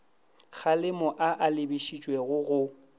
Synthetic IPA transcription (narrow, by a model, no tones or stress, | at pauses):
k͡xʰalɪmɔʔaʔalɪbiʃit͡ʃʼweɣʊɣʊ